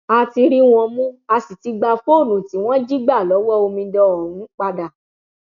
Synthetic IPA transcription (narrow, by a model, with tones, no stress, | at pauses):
a˧ti˧ɾi˦w̃ɔ̃˧mũ˦a˧si˨ti˧ɡ͡ba˧fo˦˨nũ˨ti˨˦w̃ɔ̃˦d͡ʒi˦ɡ͡ba˦˨lɔ˨˦wɔ˦o˧mĩ˧dɔ˧˦˨nũ˨˦k͡pa˧da˨